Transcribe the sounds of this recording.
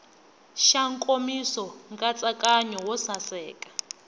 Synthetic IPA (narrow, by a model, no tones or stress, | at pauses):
ʃaŋkʼomisɔŋɡʼat͡sʼakʼaɲɔwɔsasɛːkʼḁ